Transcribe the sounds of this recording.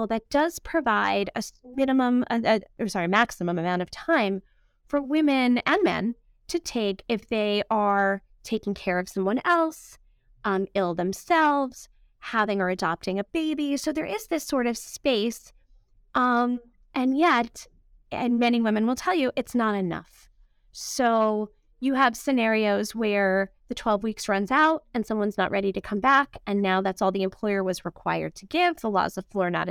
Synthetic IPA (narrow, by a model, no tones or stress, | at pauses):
lˠðɨt̚d̥ʌz̥pʰɹ̥ɨvaɪɾɨmɪ̃nɨmə̃mɨɨsɑɹimæksɨmə̃mɨmãʊ̃ɾ̃ʌv̥tʰãɪ̃ɱ | fə˞wɪ̃mɨ̃nɨ̃nmɛ̰̃n | tʰɨtʰeɪkɨfðeɪʔə˞ | tʰeɪkɪ̃ŋkʰɛɹʌv̥sʌ̃mwʌ̃nɛlˠs | ʔʌ̃mɪlˠðɨ̃msɛlˠvz̥ | hæðɪ̃ŋə˞ɨdɑp̚tɪ̃ŋɨb̥eɪbisoʊðə˞ʔɪzðɪsɔɹɾʌv̥speɪs | ʔʌ̃m | ʔɨ̃njɛɾ | ɨ̰̃nmɛñiwɪ̃mɨ̃nwəlˠtʰɛlˠjɨʔɨtsnəɾɨnʌ̰f | soʊ | jɨːv̥sɨnɛɹioʊzwə˞ðɨtʰw̥ɛlˠvwiksɹʌ̃nzaʊt̚ɨ̃nsʌ̃mwʌ̃nznə̰ʔ̚ɹɛɾiɾɨkʰʌ̃mbækɨ̃nːaʊðætsɔlˠðiɨ̃mpʰl̥ɔɪə˞wʌzɹɨkʰw̥aɪə̰˞d̚tʰɨɡɪvðəlɔ̰zəflɔə˞nə̰ɾ